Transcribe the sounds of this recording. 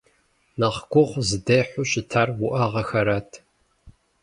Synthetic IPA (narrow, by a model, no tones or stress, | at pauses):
nɐχɡʷʊʁʷzɨdejħʷʊɕɪtʰaːrwʊʔaʁɐxɐɾaːtʰ